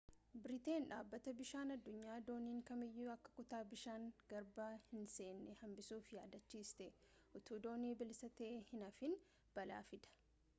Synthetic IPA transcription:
bɪɾɪt̪e̞ːnᶑaːbːɐt̪ɐbɪʃaːnɐd̪ːʊɲːaːd̪o̞ːniːŋkɐmɪjːuːɐkːɐ̥kʊt̪aːbɪʃaːŋɡ̥ɐɾbaːhɪnse̞ːnːɛhɐmbɪsuːfjaːd̪ɐt͡ʃːiːst̪ɛ | ʔʊt̪uːd̪o̞ːniːbɪlsɐt̪eːhɪnɐfɪn | b̥ɐla̰ːfɪd̪ɐ̥

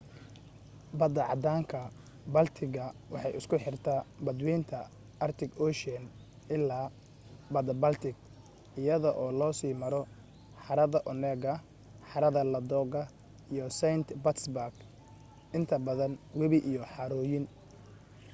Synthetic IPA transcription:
bɐd̪ɐʕɑ̰d̪aːŋkʰɐ | bɐlt̪ʰɪɣɐwɑ̰ħɑjɪskʰʊħɪrt̪ʰabɐd̪wɛːnt̪ʰɐ | ʔɐrt̪ʰɪɡɔʃɛn | ʔɪlːaː | bɐd̪ɐbɐlt̪ʰɪɡ | ɪjɐðɔʔɔːlɔːsiːmɐɾɔ | ħɑɾɐðɐʔʊnɛːɡɐ | ħɑɾɐðɐlɐd̪ɔːɡɐ | ijɔsɛjnt̪bɐt̪sbaɡ | ɪnt̪ʰɐbɐðɐnwɛβɪʔijɔħɑɾɔːjɪn

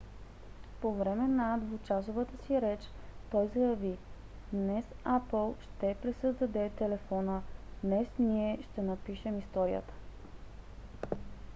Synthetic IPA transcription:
povɾɛmɛnad̪vʊt͡ʃasovət̪əsiɾɛt͡ʃ | t̪ɔjzɐjɐvi | d̪nɛsapəlˠʃt̪ɛpɾɛsəzd̪ɐd̪ɛt̪ɛlɛfɔnəd̪nɛsniɛʃt̪ɛnɐpiʃɛmist̪ɔɾiə̰t̪ə̥

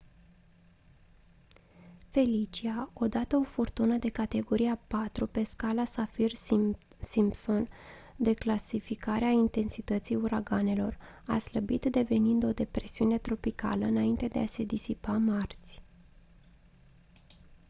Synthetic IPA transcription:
fe̞lit͡ʃiao̞d̪at̪əo̞furt̪unəd̪e̞kat̪e̞ɡo̞ɾiapat̪ɾupe̞skalasafir | simpso̞nd̪e̞klasifikaɾeaint̪e̞nsit̪ət̪sijuɾaɡane̞lo̞̰r | a̰sləbit̪d̪e̞ve̞nind̪o̞d̪e̞pɾe̞siune̞t̪ɾo̞pika̰ləɨnaint̪e̞d̪e̞ase̞d̪isipamart̪sʲ

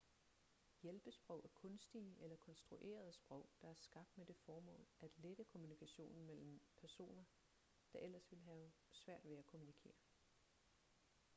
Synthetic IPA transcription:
jelb̥əsb̥ʁɔ̽ʊ̰ʔæɐkʰɔ̽nsd̥iəʔelɐkʰɒ̽nsd̥ʁuʔe̝̰ːɐð̞ˠəsb̥ʁɒ̽ʊ̰d̥ɑ̈æɐsɡ̥ɑ̈b̥̚d̥med̥e̝fɒːmɔ̰̽ːlʔæd̥led̥əkʰo̝munikʰæɕo̝̰ːnn̩mel̰m̩pʰæɐso̝̰ːnɐ | d̥ɑ̈ʔel̰ɐsʋe̝lɦæʊsʋæɐ̰d̥ʋeækʰo̝munikʰe̝̰ːɐ

